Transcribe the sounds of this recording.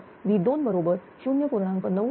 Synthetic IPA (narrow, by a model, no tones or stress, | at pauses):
ʋid̪onbəɾobəɾ | ɕunjəpuɾɳãŋkəɾnə